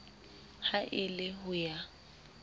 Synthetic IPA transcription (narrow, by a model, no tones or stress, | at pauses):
haʔɪlɪɦʊja